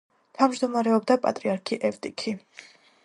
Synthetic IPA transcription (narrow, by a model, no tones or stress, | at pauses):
t̪ʰavmd͡ʒd̪ɔmaɾɛɔbd̪apʼa̰t̪ʼɾiaɾkʰiʔɛft̪ʼikʰi